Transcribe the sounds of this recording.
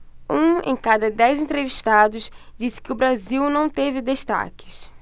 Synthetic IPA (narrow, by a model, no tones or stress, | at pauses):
ũḛ̃kad̪ɐd̪ɛjzẽnt̪ɾeviʃt̪ad̪ʊzd͡ʒisɪ̥kɪʊbɾaziwnɐ̃w̃t̪evɪd̪eʃt̪a̰kɪ̥s